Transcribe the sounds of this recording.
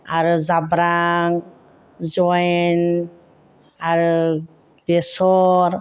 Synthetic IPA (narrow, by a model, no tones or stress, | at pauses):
aɾuzabɾaŋ | zɔjn | aɾu | b̥esɔɾ